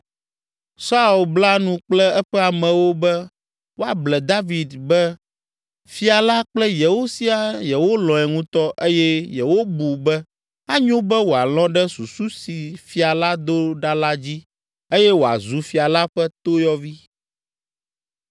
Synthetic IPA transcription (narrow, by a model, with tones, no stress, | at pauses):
sa˦u˨lbla˦nũ˨k͡plɛ˦ɛ˦ɸɛ˦a˨mɛ̃˨wo˦bɛ˦ | wo˦a˨blɛ˨d̪a˦vi˨d̪bɛ˦ | fi˦a˨la˦k͡plɛ˦jɛ˨wo˦si˦a˦jɛ˨wo˦lɔ̃˨ɛ˨ŋũ˦t̪ɔ˦ʔe˦jɛ˦jɛ˨wo˦bu˨bɛ˦ | a˦ɲõ˦bɛ˦wo˨a˨lɔ̃˦ɖɛ˦su˨su˦si˨fi˨a˨la˦d̪o˦ɖa˦la˦d͡ʑi˦ | e˦jɛ˦wo˨a̰˨zu˨fi˨a˨la˦ɸɛ˦t̪o˦jɔ˦vi˦